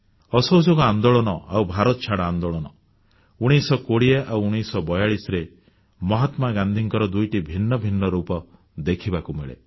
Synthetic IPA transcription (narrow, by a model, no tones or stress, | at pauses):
ɔsɔwd͡ʒoɡɔand̪oɭɔnɔawbʱaɾɔt̪ɔt͡ʃʰaɽaand̪oɭɔnɔ | uɽ̃isɔkoɽieʔawuɽ̃isɔbɔjaɭisɾe | mɔɦat̪maɡand̪ʱiŋkɔɾɔd̪ujʈibʱinːɔbʱinːɔɾupɔ | d̪ekʰibakumeɭḛ